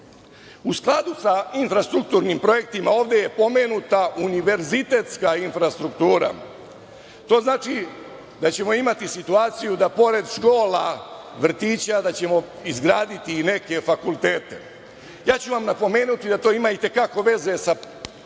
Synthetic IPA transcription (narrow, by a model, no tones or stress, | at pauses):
usklˠad̪usainfɾast̪ɾuk̚t̪uːɾnimpɾo̞je̞k̚t̪imao̞ːʋd̪e̞je̞po̞me̞ːnut̪aʔuniʋe̞ɾzit̪e̞t̪skainfɾast̪ɾukt̪uːɾa̰ | t̪o̞ːznaːt͡ʃi | d̪at͡ɕe̞mo̞imat̪isit̪uaːt̪sijud̪apo̞ɾe̞d̪ʃko̞ːla | ʋr̩t̪iːt͡ɕad̪at͡ɕe̞mo̞ | izɡɾaːd̪it̪ine̞ke̞fakulˠt̪eːt̪e̞ | jaːt͡ɕuʋamnapo̞me̞ːnut̪id̪at̪o̞ːimait̪e̞kako̞ʋe̞ze̞sa